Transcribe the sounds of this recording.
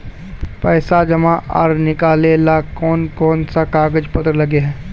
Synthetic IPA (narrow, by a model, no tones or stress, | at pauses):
pɛːsad͡ʒɐmaa̰ɾnɪkaːlelakɔːnkɔːnsakaːɡəd͡ʒpət̪ɾlɐɡeɦɛ̃ː